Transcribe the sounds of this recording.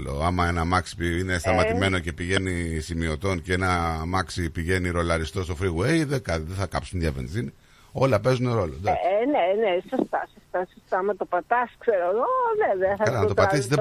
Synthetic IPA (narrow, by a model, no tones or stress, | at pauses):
lo̰ɐmɐenɐmɐksi̥piine̞st̪ɐmɐime̞no̞ce̞piʝe̞nisimio̞t̪o̞nceenɐmɐksipiʝe̞niɾo̞lɐɾist̪o̞st̪ofɾiɣuejðekɐt̪iðeθɐkɐpsunðʝɐve̞̰nzini | o̞lɐpe̞zuneɾo̞lod̪nenesost̪ɐ̰sost̪ɐsost̪ɐmɐt̪opɐt̪ɐskseɾooveveɐθɐkɐlɐnɐt̪opɐt̪is̬izðe